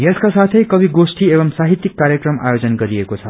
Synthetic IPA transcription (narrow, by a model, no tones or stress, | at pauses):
jeskasat̪ʰʌjkʌbiɡosʈiebʌmsaɦit̪ːikːaɾjʌkrʌma̰jod͡zʌnɡʌɾiekot͡sʰʌ